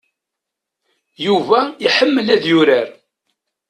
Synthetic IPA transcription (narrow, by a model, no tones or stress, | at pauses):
juvæiħəmːəlæðjʊɾəɾ